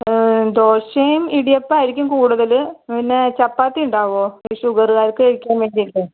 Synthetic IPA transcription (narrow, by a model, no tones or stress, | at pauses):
d̪oːrʂejmiɽijɐpːoːɾikʲːumkuːɽuðɐlinːet͡ɕɐpːaːt̪ːiuɳɖaːʋoːiɕuɣɐrɣaːɾkːɨeɻikʲːaːmʋeːndilːɨ